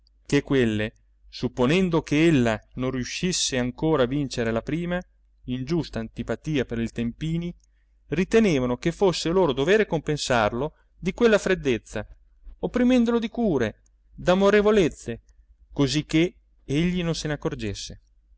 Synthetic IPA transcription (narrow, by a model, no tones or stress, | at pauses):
kekːwelːe | supːonɛnd̪okeelːanõnrjuʃisːeaŋkoːɾavint͡ʃeɾelapɾiːma | ind͡ʒust̪aːnt̪ipat̪iːapeɾilt̪empiːni | rit̪eneːvanokefosːeloːɾod̪oveːɾekompensarlo | d̪ikwelːafɾed̪ːet̪sːa | opːɾimɛnd̪olod̪ikuːɾe | d̪amoɾevolet̪sːe | kozikːe | eʎːinonsenakːord͡ʒesːe